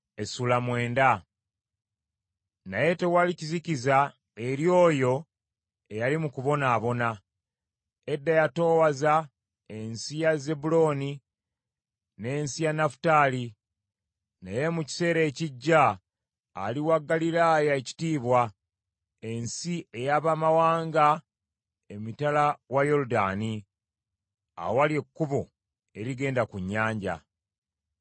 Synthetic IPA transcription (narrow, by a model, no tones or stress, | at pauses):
esulamwe̞ːnda | naje̞te̞waliciziciza | e̞ɾjo̞ːjo̞ | e̞jalimukuβo̞naːβo̞na | edːajato̞ːwaza | e̞nsijaze̞bulo̞ːni | ne̞ːnsijanafu̥taːli | neje̞muci̥se̞ːɾe̞ːciɟːaː | liwaɡːalilaːjae̞ci̥tiːβwa | e̞nsie̞jaβamawaːŋɡa | e̞mitalawajo̞luda̰ːni | a̰wowalie̞kːuβo | e̞ɾiɡe̞ːndakuɲːaːɲɟa̰